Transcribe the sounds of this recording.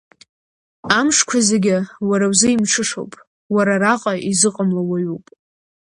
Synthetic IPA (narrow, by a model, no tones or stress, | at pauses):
amʂkʷʰazeɡʲɪwaɾawzɨimʈ͡ʂʰɨʂowpʼ | waɾaraqʼaʔizɨqʼəmlawaɥupʼ